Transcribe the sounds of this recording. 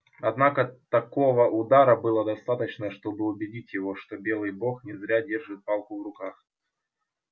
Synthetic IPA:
ɐd̪nakət̪ɐko̞vəʔʊd̪aɾəbɨlˠəd̪ɐst̪at̪ət͡ɕnəʂt̪o̞bɨʊbʲɪdʲitʲjɪvo̞ʂt̪o̞bʲe̞lˠɨjbo̞xnʲɪzɾʲadʲe̞rʐɨt̪̚palˠkʊvɾʊkax

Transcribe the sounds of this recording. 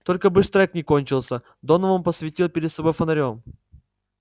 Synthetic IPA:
t̪o̞lʲkəbɨʂt̪ɾɛknʲɪkonʲt͡ɕɪlˠsʲə | d̪o̞nəvəmpəsvʲɪtʲilˠpʲɪɾʲɪd̪sɐbo̞jfənɐɾʲo̞m

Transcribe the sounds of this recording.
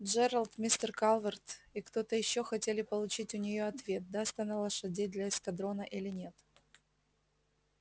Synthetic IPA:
d͡ʒɛɾəlˠt̪mʲisʲt̪ʲərkalˠvərt̪ɪkt̪o̞t̪əjɪɕːoxɐtʲelʲɪpəlˠʊt͡ɕitʲʊnʲɪjo̞ɐt̪vʲe̞t̪̚d̪asʲt̪ʲɐnalˠəʂɐdʲejd̪lʲɐɪskɐd̪ɾo̞nəʔilʲɪnʲe̞t̪

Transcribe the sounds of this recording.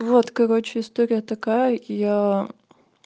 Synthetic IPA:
vot̪kɐɾot͡ɕɪɪst̪oɾʲɪjət̪ɐkajəja

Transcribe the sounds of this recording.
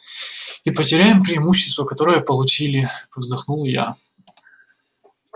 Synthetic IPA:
ipətʲɪɾʲæjɪmpɾʲɪɪmuɕːɪst̪vəkɐt̪o̞ɾəjəpəlˠʊt͡ɕilʲɪvzd̪ɐxnulˠja̰

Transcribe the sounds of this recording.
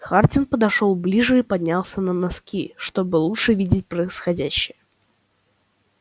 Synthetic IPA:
xartʲɪnpəd̪ɐʂo̞lˠblʲiʐɨipɐd̪ʲnʲalˠsʲənənɐskʲiʂt̪o̞bɨlˠuʂɨvʲidʲɪtʲpɾəɪsxɐdʲæɕːɪjə

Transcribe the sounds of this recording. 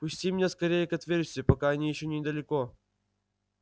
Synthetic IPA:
pʊsʲtʲimnʲeskɐɾʲejɪkɐt̪vʲerʲsʲt̪ʲʊpɐkaɐnʲijɪɕːonʲɪd̪əlʲɪko

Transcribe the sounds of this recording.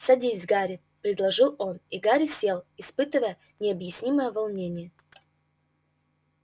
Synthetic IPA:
sɐdʲizʲɡaɾʲɪ | pɾʲɪd̪lˠɐʐɨlˠo̞niɡaɾʲɪsʲe̞lˠɪspɨt̪ɨvəjə | nʲɪɐbjɪsʲnʲiməjəvɐlˠnʲenʲɪjə

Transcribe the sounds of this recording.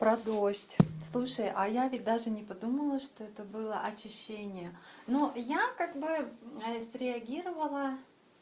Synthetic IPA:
pɾɐd̪oɕtʲslˠuʂəjʔɐjavʲɪt̚ʲd̪aʐɨnʲɪpɐd̪uməlˠəʂt̪oɛt̪əbɨlˠəʔɐt͡ɕɪɕːenʲɪjənojakaɡ̚bɨəsʲɾʲɪɐɡʲiɾəvəlˠə

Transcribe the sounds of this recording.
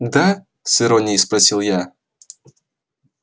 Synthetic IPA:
d̪a | sʲɨɾonʲɪjspɾɐsʲilˠja

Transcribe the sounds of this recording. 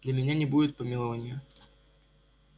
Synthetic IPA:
d̥̪lʲɐmʲɪnʲanʲɪbudʲɪt̪̚pəmʲɪlˠɐvanʲɪjə

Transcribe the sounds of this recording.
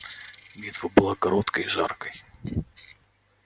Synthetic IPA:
bʲit̪vɐbɨlˠakɐɾot̪kəjʐa̰rkəj

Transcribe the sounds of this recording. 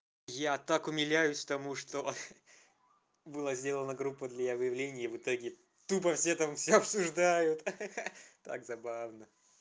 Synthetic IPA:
jat̪akʊmʲɪlʲæjʊsʲkt̪ɐmuʂt̪o | bɨlˠazʲdʲe̞lˠənəɡɾupːəd̪lʲɐjavɨjɪvlʲenʲɪjəvɨt̪o̞ɡʲɪ | t̪up̬əfsʲet̪amfsʲoɐpsʊʐd̪ajʊt̪ | t̪a̰kzɐbavnə

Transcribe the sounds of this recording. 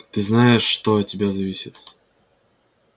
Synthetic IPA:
t̪ɨznajɪʂːt̪oɐt̚ʲtʲɪbʲazɐvʲisʲɪt̪

